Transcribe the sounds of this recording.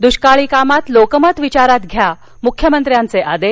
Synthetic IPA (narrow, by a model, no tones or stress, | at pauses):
d̪uɕkaɭiːkamat̪lokəmət̪ʋit͡ɕaɾat̪ɡʱja | mukʰjəmənt̪ɾjant͡seʔad̪e